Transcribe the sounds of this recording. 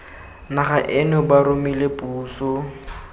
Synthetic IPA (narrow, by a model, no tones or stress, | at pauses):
naχaʔɪnʊbaɾʊmilepuːsʊ